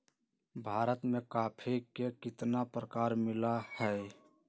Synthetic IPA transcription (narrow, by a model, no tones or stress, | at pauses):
bʱaːɾət̪mẽkaːpʰekekɪt̪napɾəkaːɾmɪlahɛ